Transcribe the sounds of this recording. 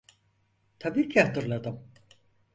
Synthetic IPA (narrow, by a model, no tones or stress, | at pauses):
t̪ʰabiːcʰihat̪ɯɾlˠad̪ɯm